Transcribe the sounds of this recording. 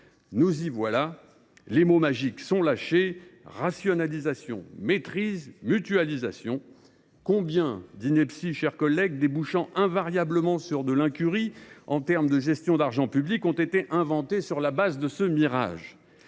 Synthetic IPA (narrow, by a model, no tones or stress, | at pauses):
nuzivwala | lemomaʒiksɔ̃laʃeʁasjɔnalizasjɔ̰̃met̪χizmyt̪ɥalizasjɔ̃ | kɔ̃bjɛ̃d̪inɛpsiʃɛʁkɔlːɛɡ̚d̪ebuʃɑ̃ʔɛ̃vaʁjabləmɑ̃syʁd̪əlɛ̃kʲyʁiɑ̃t̪ɛʁmd̪əʒɛst̪jɔ̃d̪aʁʒɑ̃pyblikɔ̃t̪et̪eʔɛ̃vɑ̃t̪esyʁlabazd̪əsəmiʁa̰ʒ